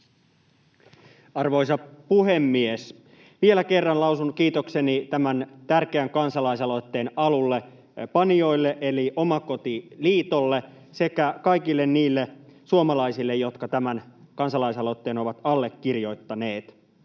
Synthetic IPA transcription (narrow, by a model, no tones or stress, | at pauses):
ɑrʋo̞isɑpuhe̞mːies | ʋielæke̞rːɑnlɑusunkiːt̪oksenit̪æmænt̪ærkeæŋkɑnsɑlɑisɑlo̞t̪ːe̞ːnɑlulːe | pɑnio̞ilːeʔeliʔo̞mɑko̞t̪iliːt̪olːe | se̞kækɑikilːenniːlːesuomɑlɑisilːejo̞t̪kɑt̪æmænkɑnsɑlɑisɑlot̪ːeːno̞ʋɑt̪ɑlːekːirjo̞it̪ːɑneːt̪